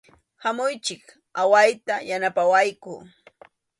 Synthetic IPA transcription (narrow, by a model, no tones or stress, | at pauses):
hamʊjt͡ʃɪk | awajt̪ajanapawajkʊː